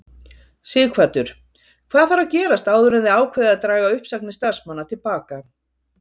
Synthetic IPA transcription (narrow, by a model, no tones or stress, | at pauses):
sɪːkʰvat̪ʏɾ̥ | kʰv̥aːðθfaɾawcɛːɾast̪aːwðʏɾɪnðɪaːwkʰvɛːðɪaðt̪ɾaːɣaʏhpsaknɪst̪aɾsmanːat̪ʰɪlpaːka